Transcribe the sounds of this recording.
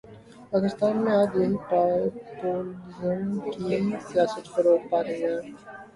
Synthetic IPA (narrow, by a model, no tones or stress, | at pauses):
paːkɪst̪aːnmẽaːd͡ʒʋɐɦipapoːlɪzəmkisijaːsət̪fəɾoːʈ̪paːɾəiɦɛ̃ː